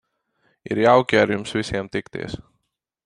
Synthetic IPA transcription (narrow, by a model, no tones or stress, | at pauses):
ḭɾjawkʲiaɾjumsvʲisʲiɛmt̪ikt̪ḭɛs